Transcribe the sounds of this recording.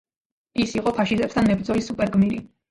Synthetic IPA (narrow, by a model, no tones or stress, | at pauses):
isiqʼɔpʰaʃizɛpsd̪anmɛbɾd̪zɔlisupʼɛɾɡmiɾi